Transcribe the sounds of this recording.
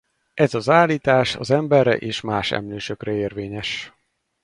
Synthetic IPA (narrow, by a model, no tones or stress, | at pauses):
ʔɛzɒzaːliːt̪aːʃɒ̰zɛmbɛrːɛ̰ʔeːʃmaːʃɛ̰mløːʃøkrɛeːrveːɲɛʃ